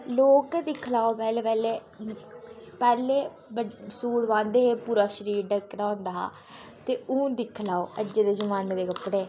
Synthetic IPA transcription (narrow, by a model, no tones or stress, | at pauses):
loːkːd̪ɪkʰlaːopɛːlːpɛːleː | pɛːleː | bəsuːɽʋãːnd̪eːɦeːpuːɾaːʃəɾiːɾɖəkɾaːõːnd̪aːɦa̰ː | t̪eːũːd̪ɪkʰlaːoːəd͡ʒeːd̪eːzəmaːneːd̪eːkəpɽeː